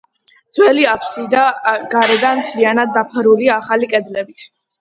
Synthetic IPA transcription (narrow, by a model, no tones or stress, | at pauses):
d̪z̥wɛliapʰsid̪aɡaɾɛd̪anmt̪ʰlianad̪̚ːapʰɾuliaːχalikʼɛd̪lɛbit̪ʰ